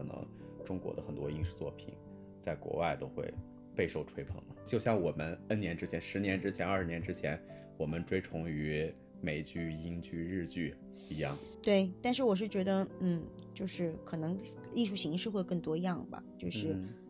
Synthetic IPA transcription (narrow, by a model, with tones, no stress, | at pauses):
ɤ˨˩nɤ̰˧˥ŋ | ʈ͡ʂʊ˥ŋkwɔ̰˧˥d̪ə˧xə˨˩nt̪wɔ˥i˥ŋʂɻ̩˥˧t͡swɔ̰˥˩pʰḭ˨˩˦n | t͡sa˥˩ɪkwɔ̰˧˥wa˥˩ɪt̪o˥ʊxwḛ˥˧ɪ | pe˥˧ɪʂo˥˩ʊʈ͡ʂʰwe˥ɪpʰɤ̰˧˥ŋd̪ə˦t͡ɕjo˥˧ʊɕjɑ˥˩ŋwɔ˨˩mə˦nə˥nnjɛ˧˥nʈ͡ʂɻ̩˥t͡ɕʰjɛ˧˥nʂɻ̩˧˥njɛ˧˥nʈ͡ʂɻ̩˥t͡ɕʰjɛ˧˥nɐ˞˥˩ɻ̩˧njɛ˧˥nʈ͡ʂɻ̩˥t͡ɕʰjɛ˧˥n | wɔ˨˩mə˦nʈ͡ʂwe˥ɪʈ͡ʂʰʊ˧˥ŋy˧˥ | me˨˩ɪt͡ɕy˥˩i˥nt͡ɕy˥˧ɻɻ̩˥˧t͡ɕy˥˩ | i˧˥jɑ˥˩ŋt̪we˥˩ɪt̪a˥˧nʂ̬ɻ̩˥˩wɔ˨˩ʂ̬ɻ̩˥˩t͡ɕɥɛ˧˥d̪ə˧n̩˥˩ | t͡ɕjo˥˧ʊʂɻ̩˥˩kʰɤ˨˩nɤ˧˥ŋ | li˥˧ʂu˥˩ɕi˧˥ŋʂɻ̩˥˧xwe˥˧ɪkɤ˥˩ŋt̪wɔ˥i˧˥jɑ˥˩ŋbɐ̰˩t͡ɕjo˥˧ʊʂʂɻ̩˥˩